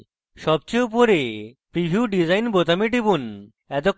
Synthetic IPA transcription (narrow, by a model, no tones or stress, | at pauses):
ʃɔb̚t͡ɕeupoɾepɾibʱjuuɖid͡ʑajnbot̪amiʈ̬ibun | ɛt̪o